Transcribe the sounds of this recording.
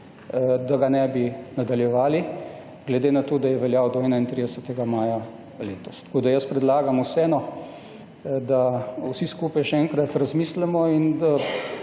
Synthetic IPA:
d̪aɡanɛbinad̪aljɛʋaːli | ɡlɛd̪enat̪oːd̪ajɛʋɛljawd̪ɔɛːnaint̪ɾiːd̪ɛsət̪ɛɡamaːja | leːt̪ɔst̪koːd̪ajəspɾɛd̪laːɡamusɛːnɔ | d̪awsiskuːpajʃɛɛŋkɾat̪ɾazmiːslɛmɔina

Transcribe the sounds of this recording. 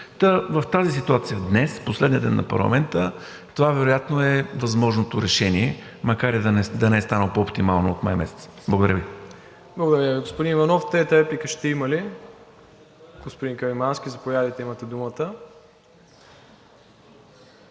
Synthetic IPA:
t̪əvɐft̪azis̬it̪uat̪sijəd̪nɛsposlɛd̪niəd̪ɛ̰nːʔɐ̰pɐ̰ɾlˠɐ̰mɛnt̪ə | t̪ovavɛɾojat̪noɛvɐzmɔʒnot̪oɾɛʃɛniɛmɐkaɾɛd̪ɐnɛd̪ɐnɛɛst̪anəlˠpoopt̪imalˠnoot̪ma̰jmɛ̰sɛ̥t̪sblˠɡod̪əɾəvi | blˠəɡod̪ɐɾʲəviɡospod̪inivɐnɔft̪ɛt̪əɾɛplikəʃt̪ɛimɐli | ɡ̥ospod̪iŋkɐɾimansk̟ʲizɐpojad̪əjt̪ɛimət̪ɛd̪umət̪ə

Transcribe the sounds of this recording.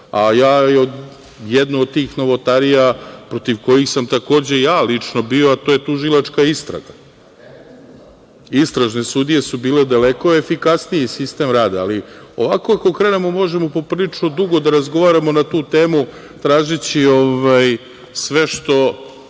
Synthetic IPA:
ajaːjod̪ | jed̪nuod̪̚t̪iːxno̞ʋo̞t̪aɾijapɾo̞t̪iʋko̞jixsamt̪ako̞ːd͡ʑe̞jaːlit͡ʂno̞bio̞at̪oje̞t̪uʒilˠat͡ʃkaist̪ɾa̰ɡa | ist̪ɾaʒne̞sud̪ije̞subiːle̞d̪aleko̞efikasnijesist̪e̞mɾaːd̪aalio̞̰ʋako̞ako̞kɾe̞ːne̞mo̞mo̞ʒe̞mo̞po̞pɾilit͡ʂno̞d̪uɡo̞d̪aɾazɡo̞ʋaːɾamo̞nat̪uːt̪e̞ːmu | t̪ɾaːʒit͡ɕio̞ʋaj | sʋe̞ʃt̪o̞

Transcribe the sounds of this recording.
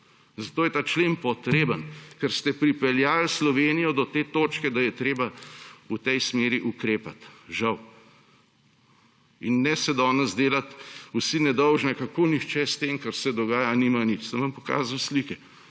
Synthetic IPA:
zɐt̪oːjɛt̪aːt͡ʃleːmpɔt̪ɾeːbənkɛɾst̪ɛpɾipɛljaːlslɔʋeːnijɔd̪ɔt̪eːt̪oːt͡ʃkɛd̪ajɛt̪ɾeːbaut̪ɛjsmeːɾiʔukɾeːpat̪ʒɐw | inːɛsɛd̪ɔːnɛzd̪eːlat̪usinɛd̪ɔwʒnɛkakoːnixt͡ʃɛst̪eːmkaɾsɛd̪ɔɡaːjaniːmanit͡ʃsəmʋampɔka̰ːzawslikɛ

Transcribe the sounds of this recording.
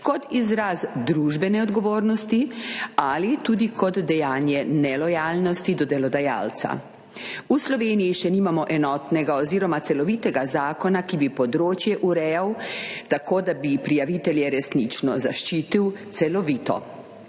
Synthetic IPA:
kɔt̪izɾazd̪ɾuʒbɛnɛɔd̪ɡɔʋoːɾnɔst̪ialit̪uːd̪ikʰɔd̪ːɛjaːnjɛnɛlɔjaːlnɔst̪id̪ɔd̪ɛlɔd̪aja̰ːlt̪sa̰ | uslɔʋeːnijiʃɛniːmamɔʔɛnɔːt̪nɛɡaɔziːɾɔmat̪sɛlɔʋit̪ɛɡazaːkɔnakibipɔd̪ɾoːt͡ʃjɛʔuɾɛːjawt̪akoːd̪abipɾijaʋit̪ɛljɛɾɛsnit͡ʃnɔzaʃt͡ʃiːt̪iwt̪sɛlɔʋiːt̪ɔ̰

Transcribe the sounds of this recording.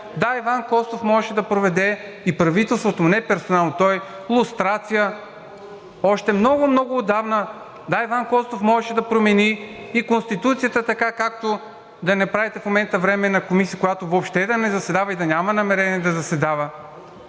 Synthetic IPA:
d̪aivankɔst̪ofmɔʒɛʃɛd̪ɐpɾovɛd̪ɛ | ipɾɐvit̪ɛlˠst̪vot̪omʊnɛpɛɾsonalˠnot̪ɔj | lˠʊst̪ɾat̪sijə | ɔʃt̪ɛmnɔɡʊmnɔɡʊːd̪avnə | d̪aivankɔst̪ofmɔʒɛʃɛd̪ɐpɾomɛni | ikonst̪it̪ut̪sijət̪ət̪ɐkakak̚t̪o | d̪ɐnɛpɾavɛt̪ɛfmomɛnt̪əvɾɛmɛnɐkomisijəkʊjat̪ovopʃt̪ɛd̪ɐnɛzɐsɛd̪avəid̪ɐnʲamɐnɐmɛɾɛniɛd̪ɐzɐsɛd̪avə

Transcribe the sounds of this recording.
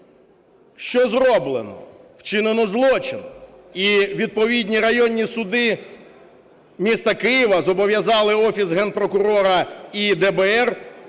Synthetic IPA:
ʃt͡ʃɔzrɔblˠenɔ̰w̥t͡ʃɪnenɔzlˠɔt͡ʃɪnɔ | iʋʲid̪̚pɔʋʲid̪ʲnʲiɾɐjɔnʲːisʊd̪ɪ | mʲist̪ɐkɪjiʋɐzɔbɔʋʲjɐzɑlˠɪɔfʲisɦɛnpɾɔkʊɾɔɾɐid̪ɛbɛɛr

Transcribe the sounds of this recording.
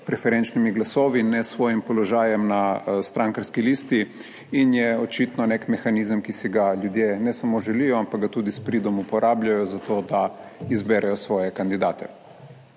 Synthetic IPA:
pɾɛfɛɾɛnt͡ʃnimiɡlasoːʋinɛsʋoːjimpɔlɔʒaːjɛmnast̪ɾaŋkaɾskiliːst̪i | injɛot͡ʃiːt̪nɔnekmɛxanizəmkisiɡaʎjud̪jeːnɛsamoʒɛliːjɔampaɡɡat̪uːd̪ispɾiːd̪ɔmupɔɾʔaːbʎajɔzat̪oːd̪aizbɛːɾʔɛjɔsʋɔːjɛkand̪id̪aːt̪ɛ

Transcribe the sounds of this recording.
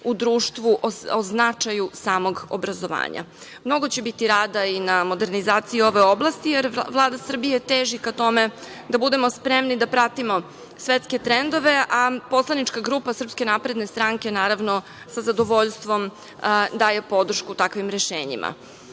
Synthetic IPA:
ud̪ɾuːʃt̪ʋuʔooznat͡ʂajusaːmo̞ɡobɾazo̞ʋa̰ːɲa̰mno̞ɡo̞t͡ɕebit̪iɾaːd̪ainamo̞d̪e̞ɾnizaːt̪sijio̞ʋe̞o̞blˠast̪ijeɾʋlˠaːd̪asr̩bijet̪eːʒikat̪o̞me̞ | d̪abud̪e̞mo̞spɾemnid̪apɾat̪imo̞ | sʋet̪ske̞t̪ɾend̪o̞ʋe̞apo̞slˠanit͡ʃkaɡɾuːpasr̩pske̞napɾe̞d̪ne̞st̪ɾaŋke̞naːɾaʋno | sazad̪oʋo̞ʎst̪ʋo̞m | d̪aːje̞po̞d̪r̩ʃkut̪akʋimɾe̞ʃeːɲḭmʔa̰

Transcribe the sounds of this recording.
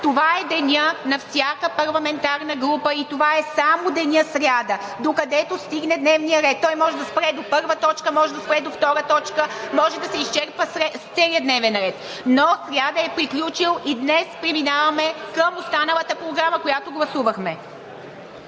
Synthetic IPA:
t̪ovaɛd̪ɛnʲənɐfsʲjakəpɐɾlˠɐmɛnt̪aɾnəɡɾupəit̪ovaɛsamod̪ɛnʲəsɾjad̪ə | d̪okɐd̪ɛt̪ost̪iɡnɛd̪nɛvnijəɾɛt̪ːɔjmɔʒɛd̪ɐspɾɛd̪opɤɾvət̪ɔt͡ʃkəmɔʒɛd̪ɐspɾɛd̪oft̪ɔɾət̪ɔt͡ʃkəmɔʒɛd̪ɐsɛist͡ʃɛɾpəsɾɛt̪sɛlijəd̪nɛvɛnɾɛt̪ | nɔsɾjad̪əɛpɾiklʲut͡ʃilˠid̪nɛspɾɛminavɐmɛkəmost̪anɐlˠət̪əpɾoɡɾaməkojat̪oɡlˠɐsuvɐxmɛ

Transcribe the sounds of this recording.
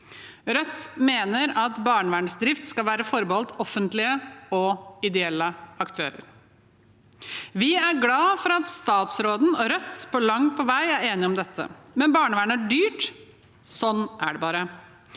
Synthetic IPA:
ɾœt̪ːmeːnəɾɑt̪bɑːɳəʋæːɳəsd̪ɾɪft̪skɑlʋæːɾəfɔɾbəhɔlt̪ɔfənt̪lɪəɔɪd̪ɛɛlːəɑkt̪ʰø̰ːɾə̰ɾ | ʋɪæɾɡlɑːfɔɾɑt̪st̪ɑːt̪sɾoːd̪n̩ɔɾœt̪ːpʰɔlɑŋpʰɔʋæɪæɾeːnɪɔmd̪ɛt̪ʰːə̰mɛnbɑːɳəʋæːɳəæɖyːʈ | sɔnːʔæ̰ɖɛbɑːɾə

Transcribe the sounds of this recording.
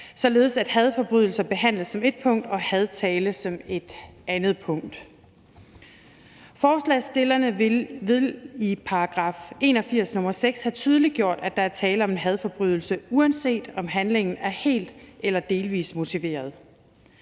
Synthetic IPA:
sɒ̽le̝ːðˠsæd̥hæð̞ˠfɒ̽b̥ʁyðˠl̩sɐb̥e̝ɦæn̰ləð̩ˠsɒ̽me̝d̥̚pʰɔ̽ŋ̰d̥ɒ̽hæð̞ˠt͡sʰɛːləsɒ̽me̝d̥ʔænð̩ˠpʰɔ̽ŋ̰d̥ | fɒːslɛ̰sd̥e̝lɐnəeʋeipʰɑ̈ːɡ̥ʁɑ̰̈fe̝̰ːnɒ̽fiɐ̰snɔ̽mɐseɡ̥shæt͡sʰyð̞ˠəliɡ̥jo̝ɐ̰d̥æd̥ɑ̈æɐt͡sʰɛːləɒ̽me̝nɦæð̞ˠfɒ̽b̥ʁyðˠl̩səuænse̝̰ːd̥ɒ̽mɦænle̝ŋn̩æɐhe̝̰ːld̥elɐd̥e̝ːlʋḭːsmo̝t͡sʰiʋe̝̰ːɐð̞ˠ

